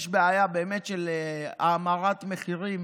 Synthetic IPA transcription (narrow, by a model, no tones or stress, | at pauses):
ʃbeajabeːme̞tʃelaːmaʁat̪meχiʁim